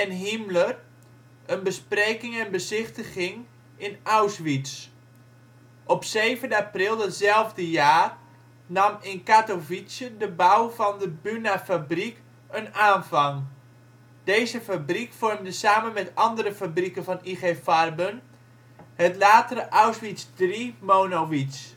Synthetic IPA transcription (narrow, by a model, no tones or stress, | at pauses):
ɛnɦimlər | ənbəsprejkɪŋɛnbəzɪχtəχɪŋ | ɪnawsʋits | ʔɔpsejvəndəaprɪlˠdətzɛlˠvdəjaːr | nɑmɪnkatovisjədəbawvɑndəbynafabrik | ənaːnvɑŋ | d̥ejzəfabrikfɔrmdəsaːmənmɛtɑndəɾəfabrikənvɑniχefɑrbən | ətlaːtərəʔawsʋitsdrimownoʋits